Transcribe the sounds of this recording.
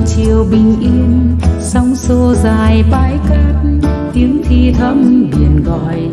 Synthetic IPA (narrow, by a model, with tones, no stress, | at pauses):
t͡ɕi˨˩əwɓï˨˩ŋ̟ʔi˧ənsa˧wŋ͡mso˧zaː˨˩jɓaː˨˦jke˧˦˥t̚t̪i˨˦əŋt̪ʰi˧t̪ʰə˨˦˥mɓi˨˩ənɣɔ̰˧˨j